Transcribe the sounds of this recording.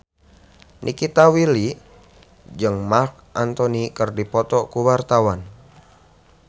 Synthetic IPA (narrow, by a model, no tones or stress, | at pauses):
nʔḭkit̪awili | d͡ʒɨŋmark̚ʔant̪ɔnikərdipɔt̪ɔkuwart̪awan